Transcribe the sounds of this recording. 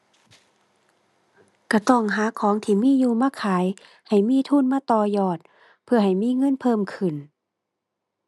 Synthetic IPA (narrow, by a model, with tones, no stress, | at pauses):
ka˧˩t̪ɔ˧˩ŋɦaː˨˦kʰɔː˨˦ŋt̪ʰiː˧˩miː˧˥˨juː˧˩maː˧˥˨kʰaː˨˦j | ha˨˩jmiː˧˥˨t̪ʰuː˧˥˨nmaː˧˥˨t̪ɔː˧˩jɔː˧˩t̪̚ | pʰɯ˧˩ɐha˨˩jmiː˧˥˨ŋɤ˧˥˨npʰɤː˧˥˨mkʰɯ˨˩n